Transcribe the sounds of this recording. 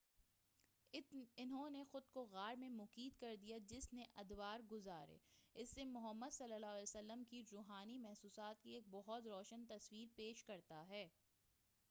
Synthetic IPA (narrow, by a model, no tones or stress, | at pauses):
ɪnɦõnexʊd̪̚koɣaːɾmẽmʊkiːd̪kɐɾd̪ijad͡ʒɪsneʔɐd̪waːɾɡʊzaːɾḛːɪsːemʊɦəmːəd̪sɐlːəlaːsəlːəmkiɾuːɦaːnimɛɦsuːsaːt̪̚kieːk̚bɔɦʊt̪ɾɔːʃənt̪ɐswiːɾpeːʃkɐɾt̪aɦɛː